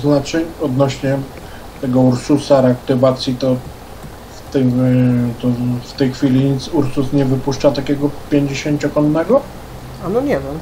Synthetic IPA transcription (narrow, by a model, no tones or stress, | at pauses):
znat͡ʂɛɲɔd̪nɔɕɲɛ | t̪ɛɡɔuɾsusaɾɛakt̪ɘvat̪sʲjit̪ɔ | ft̪ɛ | t̪ɔft̪ɛjxfʲilʲiɲit̪suɾsusɲɛvɘpuʂt͡ʂat̪akʲɛɡɔpʲjeɲd͡ʑeɕeɲt͡ɕɔkɔnːɛɡɔ | anɔɲɛvʲjɛm